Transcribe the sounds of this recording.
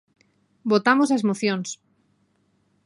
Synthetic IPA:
bot̪amosazmoθjõns

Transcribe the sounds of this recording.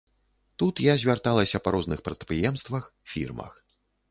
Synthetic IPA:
t̪ut̪jazʲvʲart̪alˠɐsʲɐpaɾɔznɨxpɾɐt̪̚pɾɨjɛmst̪vɐxfʲḭrmɐ̰x

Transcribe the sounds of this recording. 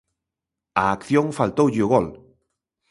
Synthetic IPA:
aːkθjoŋfalt̪owʎuɣol

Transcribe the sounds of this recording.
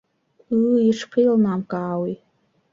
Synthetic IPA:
ɨiʂqʰilnamkʼaːwi

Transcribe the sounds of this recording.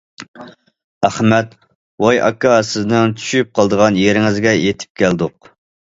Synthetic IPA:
æχmɛt̪ | wɑjʔɑ̰kːɑsɪznɪŋt̪ʰy̥ʃyp̚qʰɑlˠd̪əʁɑnjeɾɪŋɪzɡʲɛjet̪ʰɪ̥p̚kʲʰæld̪ʊq̚

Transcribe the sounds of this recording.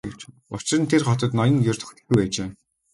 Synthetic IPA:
ɡet͡ɕ | ʊ̰t͡ɕɪ̆rə̆nt̪ʰerχɔt̪ɞ̆t̪nɔjə̆ŋjɵrʲt̪ɵ̥̆xt̪ɘ̆xɡujpæːt͡ɕeː

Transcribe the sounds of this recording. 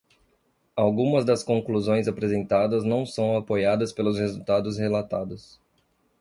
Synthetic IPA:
awɡũmɐzd̪ɐskõŋkluzõj̃zapɾezẽnt̪ad̪ɐznɐ̃w̃sɐ̃w̃apojad̪ɐspelʊshezut̪ad̪ʊshelat̪ad̪ʊs

